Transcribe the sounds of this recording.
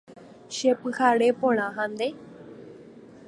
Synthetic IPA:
ʃepɨhaɾepõɽ̃ãɦãnd̪e

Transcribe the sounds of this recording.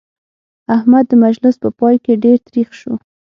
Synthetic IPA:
ahmad̪ːəmad͡ʒlɪspəpɑjkeɖeɾt̪ɾixʃu

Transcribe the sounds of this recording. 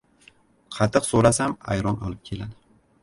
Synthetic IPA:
qʰɑt̪ʰːɨqsoɾasama̰jɾɒnɒ̰lˠɪp̚kʲʰe̞lad̪ɪ

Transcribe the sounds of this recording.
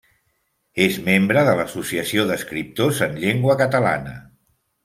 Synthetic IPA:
ezmembɾəðələsusiəsioðəskɾip̚t̪ozənʎeŋɡwəkət̪əla̰nə̰

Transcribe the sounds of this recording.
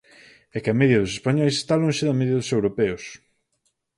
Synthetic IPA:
ɛkɪɐmɛðjɐðʊsespaɲɔjse̥st̪aloŋ̃ʃɪðɐmɛðjɐðʊsewɾopɛʊs

